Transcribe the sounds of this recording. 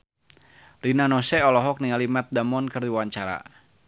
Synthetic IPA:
rinanɔsɛɔlɔɦɔk̚niŋalimat̪̚damɔnkərdiwaɲt͡ʃaɾa̰

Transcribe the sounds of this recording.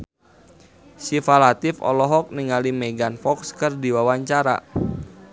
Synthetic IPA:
sifalat̪ɪfɔ̰lɔɦɔk̚niŋalimeɡanfɔkskɨrdiwawaɲt͡ʃaɾa̰

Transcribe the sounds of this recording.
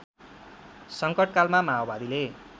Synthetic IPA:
sʌŋkʌʈ̚kalmamaobad̪ile

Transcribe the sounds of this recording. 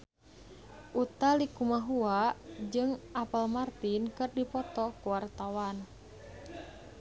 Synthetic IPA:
ʔut̪alikumaɦuaʔd͡ʒɨŋʔapəlmart̪inkɨrdipɔt̪ɔkuwart̪awan

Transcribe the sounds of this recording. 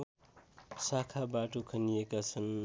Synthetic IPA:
sakʰabaʈukʰənijekasəm

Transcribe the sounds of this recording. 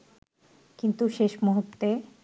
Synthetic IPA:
kint̪uʃeʃmoɦott̪e

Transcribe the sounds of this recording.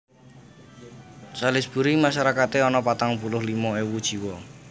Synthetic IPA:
salɪsb̥ṳɾimaʃaɾakat̪eɔnɔpat̪aŋpulʊɦlimɔewud̥ʒ̥i̤wɔ

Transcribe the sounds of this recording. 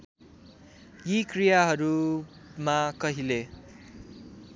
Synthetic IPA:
jikrijaɦʌɾu | makʌɦile

